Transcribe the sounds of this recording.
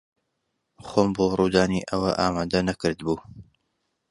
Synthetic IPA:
xoːmboːruːd̪aːniːʔɐwɐʔaːmaːd̪ɐnɐkɨɾd̪buː

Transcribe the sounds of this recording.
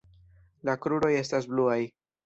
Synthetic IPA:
lakɾuɾo̞je̞stasbluaj

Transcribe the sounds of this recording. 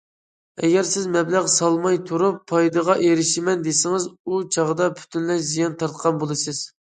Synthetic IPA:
ɛ̰ɡʲɛɾsɪzmɛblæʁsɑlˠmɑjt̪ʰuɾupʰːɑjd̪ɨʁɑʔeɾɪʃɪmɛnd̪esɪŋɨzut͡ʃʰɑʁəd̪ɑpʰy̥t̪ʰynlɛʃzijɑnt̪ʰɑɾt̪qʰɑnbolˠɨsɨz̥

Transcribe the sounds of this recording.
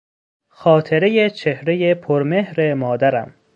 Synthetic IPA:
xɒːt̪ʰeɾejet͡ʃʰehɾejepʰoɾme̞hɾemɒːd̪æɾæ̰m

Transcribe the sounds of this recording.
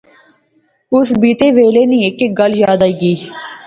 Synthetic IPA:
ʊsbiːt̪eːʋeːleːnĩːekeɡəljaːd̪aːiːɡiː

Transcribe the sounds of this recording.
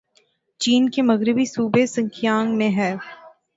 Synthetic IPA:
t͡ʃiːnkemɐɣɾɪbisuːbesɐ̃ŋkʰjaːŋɡmẽɦɛː

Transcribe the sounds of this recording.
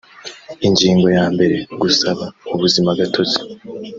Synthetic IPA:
iɲɟiːŋɡo̞jaːmbe̞ɾe̞ɡusaβauβuzimaɡatʰo̞ze̥

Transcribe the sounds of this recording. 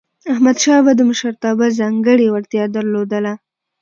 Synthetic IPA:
ahmad̪ʃɑbad̪əməʃaɾt̪ɑbazɑŋɡəɽewaɾt̪jɑd̪əɾlod̪əla

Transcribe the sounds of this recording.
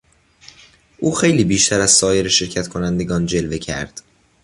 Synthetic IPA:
ʔuːxe̞jliːbiːʃt̪ʰæɾæz̥sɒːje̞ɾeʃe̞ɾcʰæt̪kʰonænd̪e̞ɡɒːnd͡ʒe̞lve̞cʰæ̰ɾd̪̥

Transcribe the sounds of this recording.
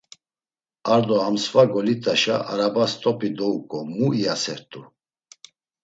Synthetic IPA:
aɾd̪ɔamsvaɡɔlit̪ʼaʃaaɾabast̪ʼɔpʰʼid̪ɔukʼɔmuiasɛɾt̪ʼu

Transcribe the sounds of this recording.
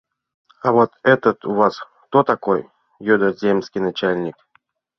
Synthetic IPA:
avot̪ɛt̪ət̪uvaskt̪ot̪akojː | ud̪əzʲemskʲijnat͡ɕalʲnʲik

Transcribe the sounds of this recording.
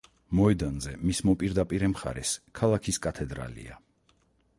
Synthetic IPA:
mɔɛd̪anzɛmismɔpʼiɾd̪apʼiɾɛmχa̰ɾɛskʰalˠakʰiskʼat̪ʰɛd̪ɾa̰lḭa̰

